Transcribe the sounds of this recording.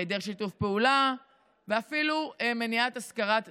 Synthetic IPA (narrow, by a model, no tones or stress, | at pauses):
ed̪eʁʃitufpeula | veafilumeniat̪askaʁat